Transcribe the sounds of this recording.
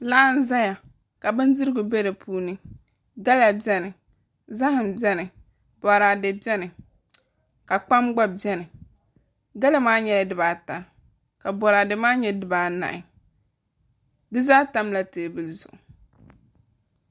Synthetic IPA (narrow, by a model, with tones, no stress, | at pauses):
laː˦n̩˦za˦ja˨ | ka˨bɨ˦ndɪ˦ɾɨ˦ɡʊ˨bɛ˦ɾɨ˨pʰuː˦nɨ˦ | ɡa˦la˨bɛ˦nɨ˨ | za˦hɪ˨mbjɛ˦nɨ˨ | bɔ˨ɾa˨dɨ˨bɛ˦nɪ˨ | ka˨k͡pa˦mɡ͡ba˦bɛ˦nɨ˨ | ɡa˦la˦maː˦ɲɛ˨la˨dɨ˨baː˨ta˨ | ka˨bɔ˨ɾaː˨dɨ˨maː˦ɲɛ˦dɨ˨baː˨na̰˨ʔɪ˨ | dɨ˦zaː˦ta˦mla˨teː˨bɨ˨zʊ̰˨ʔʊ˨